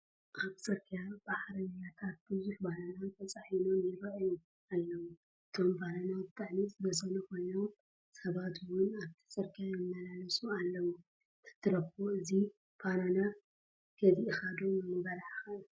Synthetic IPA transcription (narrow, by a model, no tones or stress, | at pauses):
ʔaβsʼɐɾkʰijab̥aħɾɐnjat̪ʰat̪̚bɨzuħbananant̪ʰɐt͡sʼaħino̞mjɪɾɐʔjom | alːɐwu | ʔɨt̪ʰo̞mbananabɨt̪ʰʼaʕnisɨnɐsɐnukʰo̞jno̞m | sɐβat̪ʰwʊnaβt̪ʰi̥sʼɐɾkʰijajɪmːɐlalɐsʼualːɐwu | kʰɨ̥t̪ʰːɨɾɐkoɨzi | b̥anana | ɡ̥ɐziɨxad̪omɨmɨbɐlaʕxɐɨl